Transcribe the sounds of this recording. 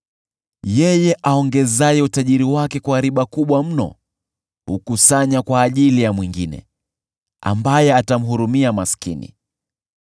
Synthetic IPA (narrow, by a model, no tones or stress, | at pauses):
jɛjɛʔaɔŋɡɛzajɛutaʄiɾiwakɛkwaːɾiɓakuɓwam̩nɔ̰ | hukusaɲakwaːʄilijamwiŋɡinɛ̰ | a̰mbajɛatam̩ɦuɾumiamaskḭnḭ